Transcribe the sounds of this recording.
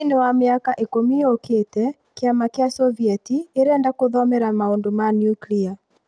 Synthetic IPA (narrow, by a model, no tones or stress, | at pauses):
nɛwameakaʔekomioketɛ | keamakeasɔviɛtieɾɛːndakoðɔmɛɾamaoːndomanjuklia